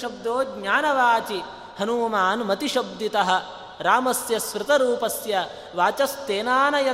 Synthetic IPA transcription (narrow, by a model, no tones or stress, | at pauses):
ʃɐb̚d̪oːɡɲaːnɐʋaːt͡ʃi | hɐnuːmaːnmɐt̪iʃɐb̚d̪it̪ɐɦɐ̆ | ɾaːmɐsjɐsʋɾɨt̪ɐɾuːpɐsjɐ | ʋaːt͡ʃɐst̪eːnaːnɐjɐ